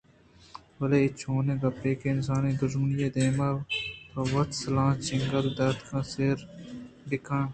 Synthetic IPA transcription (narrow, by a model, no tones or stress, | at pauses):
wɐleːɪt͡ʃʰoːneːɡɐpʈeːkeːɪns̬ãːnẽːd̪ʊʒmənijeːd̪eːmap̪ɐwɐt̪sɐlãːt͡ʃɪŋɡəld̪ɐt̪kʰãːseːɾ | ɖɪkʰãː